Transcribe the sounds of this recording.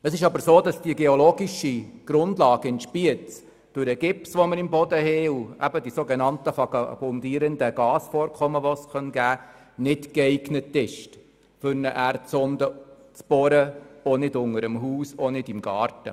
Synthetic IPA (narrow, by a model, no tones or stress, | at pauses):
əsɪʃɑbəɾsoːdɑsd̥iəɡeɔloːɡiʃiɡ̥ɾʊndlɑːɡ̥əɪntʃpiət͡s | d̥ʊɾɛɡ̥ɪpsʋɔməɾɪmbɔdəhɛuæ̰bədisoɡɛnɑntəfɑkɑb̥ɔndiːɾəndəɡ̥ɑːsfɔːɾkʰɔməʋɔsχœnɡ̥æː | nɪtkɛɪɡnətːɪʃt | fʏɾnəʔæɾt͡sɔndə | t͡sb̥ɔɾəɔnɪdʊŋəɾəmɦuːsɔnɪdɪmɡɑːɾtə